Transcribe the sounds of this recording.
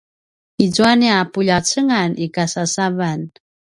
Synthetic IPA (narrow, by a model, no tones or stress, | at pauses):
id͡zuaniapuʎat͡səŋanikasasavan